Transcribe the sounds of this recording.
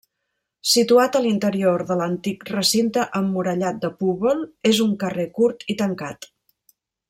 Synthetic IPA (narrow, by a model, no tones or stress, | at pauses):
sit̪uat̪əlint̪əɾioɾðələnt̪ikrəsint̪əʔəmːuɾəʎat̪̚d̪əpuβɔlˠezuŋkərekuɾt̪it̪əŋkat̪